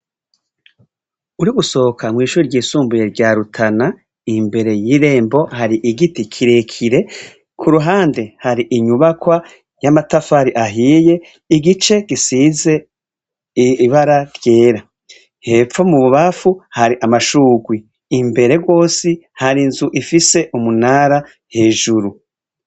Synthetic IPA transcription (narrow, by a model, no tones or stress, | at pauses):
uɾiɡuso̞okʰamŋiːʃuːɾiɾɟiːsuːmbujeɾɟaːɾutʰana | imbe̞ɾe̞jiɾe̞ːmbo̞haɾiʔiɡitikʰiɾe̞kʰiɾe̞ | kʰuɾuɦaːnde̞haɾiʔiɲuβakwa | jamatafaɾiʔaɦiːje̞ | iɡit͡ʃe̞ɡ̥isize̞ | βaɾaɾje̞ːɾa | he̞p͡fo̞muβuβafuhaɾiʔamaʃuːɡwiː | mbe̞ɾe̞ɡwo̞ːsihaɾinzuʔifise̞ʔumunaːɾa | he̞ːʒuɾu